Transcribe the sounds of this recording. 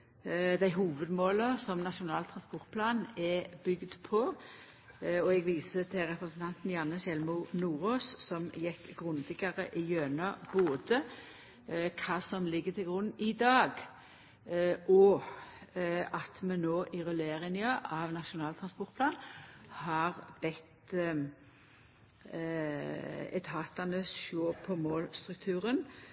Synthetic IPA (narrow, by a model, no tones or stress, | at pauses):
d̪æɪɦuːʋəd̪moːləsɔmnɑʃʊnɑːlt̪ʰɾɑnspɔʁt̪̚pʰlɑːnɛbʏɡd̪pʰɔ | ɔɛɡʋiːsət̪ʰɪlɾɛpɾəsn̩t̪ʰɑnt̪njɑnːəʃɛlmʊnuːʁoːssɔmjɛkːɡʁʉnd̪ɪɡɑʁə̰ʔɪjøːnɑb̥oːd̪ə | kʰɑːsɔmlɪɡːət̪ʰɪlɡʁʉnːɪd̪ɑːɡ | ʔɔ | ɑt̪mɛnoːʔɪʁɛleːʁɪnɪɑʔɑʋnɑʃʊnɑːlt̪ʰʁɑnspɔʁt̪̚pʰlɑːnhɑʁb̥ɛt̪ | ɛ̰t̪ʰhɑːt̪ɑnəsʃoːpʰɔmoːlst̪ɾʉk̚t̪ʰʉːʁən